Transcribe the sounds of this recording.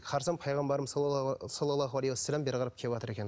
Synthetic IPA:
qʰɑɾsɑnpʰɑjʁɑmbɑɾəmssolˠɑlːˠɑɦuwalejwasːælæmbeɾʁɑɾɑp̚kʲʰevwɑt̪əɾe̞kʲen

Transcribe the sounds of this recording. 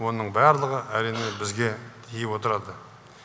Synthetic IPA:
wo̞nəɴbɑɾlˠəʁəʔæɾijnebɪzɡʲe̞t̪ʰijɪpwo̞t̪əɾɑd̪ə

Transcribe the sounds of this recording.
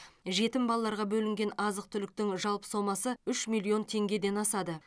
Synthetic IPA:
ʒe̞t̪ɪmbɑlˠɑːɑɾʁɑbɵlɪŋɡʲe̞nɑzəq̚t̪ʰʏlɪk̚t̪ɪŋʒɑlˠpə̥so̞mɑsəʏʃmilˠio̞nt̪ʰe̞ŋɡʲe̞d̪e̞nɑsɑd̪ə

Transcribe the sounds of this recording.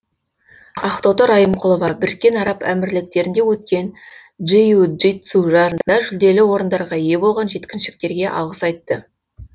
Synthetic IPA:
ɑχt̪ot̪oɾɑjəmqʰʊlˠəvɑbɪɾɪkʲːe̞nɑɾɑpæ̰mɪɾlɪk̚t̪e̞ɾɪnd̪e̞wɵt̪̚kʲe̞nʒijuʒit̪suʒɑnd̪ɑʒʏld̪e̞lɪwo̞ɾənd̪ɑɾʁɑije̞bo̞lˠʁɑnʒe̞t̪kʲɪnʃɪ̥k̚t̪e̞ɾɡʲe̞ʔɑ̰lˠʁəsɑjt̪ːə

